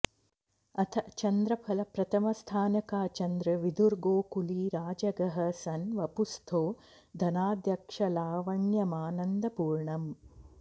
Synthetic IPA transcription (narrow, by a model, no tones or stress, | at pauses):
ɐt̪ʰɐʔt͡ʃɐnd̪ɾɐpʰɐlɐpɾɐt̪ʰɐmɐst̪ʰaːnɐkaːt͡ʃɐnd̪ɾɐʋid̪uɾɡoːkuliːɾaːd͡ʒɐɡɐɦɐsɐnʋɐpust̪ʰoː | d̪ʱɐnaːd̪jɐkʂɐlaːʋɐɳjɐmaːnɐnd̪ɐpuːɾɳɐm